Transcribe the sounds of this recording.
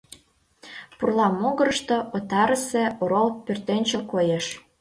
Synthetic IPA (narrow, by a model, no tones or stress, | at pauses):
purlˠɑmːoɣə̆ɾɤʃt̪oʔot̪ɑɾəsĕoɾolˠpørt̪enʲt͡ɕəkojeʃ